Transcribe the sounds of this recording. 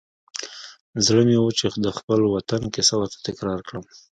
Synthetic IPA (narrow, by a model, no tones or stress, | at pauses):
zɽənewut͡ʃed̪əxpəlwat̪ankɪsawəɾt̪ḁt̪ɪkɾɑɾkɽəm